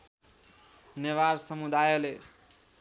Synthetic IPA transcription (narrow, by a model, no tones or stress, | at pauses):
neʋaɾsəmud̪ajole